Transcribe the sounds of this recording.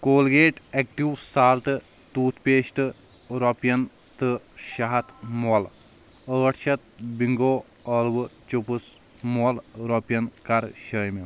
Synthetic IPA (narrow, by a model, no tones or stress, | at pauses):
koːlɡeːʈek̚ʈiwsaːlt̪ɨ | t̪uːt̪ʰpeːʃʈɨ | ɾɔpjɐn | t̪ɨʃɐɦɐt̪ʰmul | əːʈʰʃɐt̪̚biŋɡoːɐːlbɨt͡ʃupɨs | mulɾɔpjɐnkɐɾʃɐːjmi